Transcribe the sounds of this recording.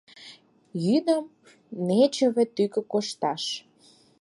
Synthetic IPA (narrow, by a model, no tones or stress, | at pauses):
jyd̪əm | net͡ɕə̆βĕt̪ykə̆koʃt̪ɑʃ